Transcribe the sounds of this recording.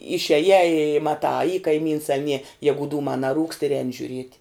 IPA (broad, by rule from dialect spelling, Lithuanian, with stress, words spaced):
ɪʃʲiɛˈjæː ɪ mɐˈtɑː ɐ iː kɐɪˈmʲiːns ɐ nʲiɛ ˈjæːɡʊ ˈduːmɑː nɐˈruːkst ɪr ˈɛːnʲɪ ʒʲʊˈrʲiɛtʲ